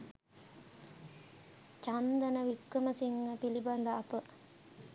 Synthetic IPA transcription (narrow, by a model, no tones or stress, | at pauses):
t͡ʃand̪ənəʋikʋəməsiŋːəpiliband̪əɐpə